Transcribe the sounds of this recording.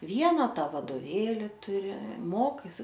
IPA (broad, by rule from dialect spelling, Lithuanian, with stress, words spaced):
ˈʋʲiɛnɐ ˈtɐ ʋɐdoːˈʋʲeːlʲɪ tʊˈrʲɪ ˈmoːkɐɪsʲɪ